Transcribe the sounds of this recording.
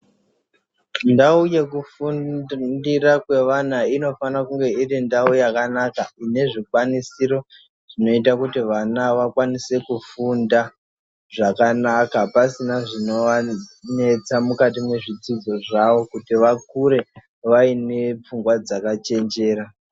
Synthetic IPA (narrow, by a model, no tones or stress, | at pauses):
ndauje̞kufundirakwe̞ʋanaino̞fanakuŋɡe̞irindaujakanakaine̞ʐikwanisiɾo̞ | ʐ̥ino̞itakutiʋanaʋakwanise̞kufunda | ʐakanakapasinaʐino̞ʋane̞t͡samukatimwe̞ʐid͡zid͡zo̞ʐaʋo̞kutiʋakuɾe̞ | ʋaine̞p͡fuŋɡwad͡zakat͡ʃe̞nd͡ʒe̞ːɾa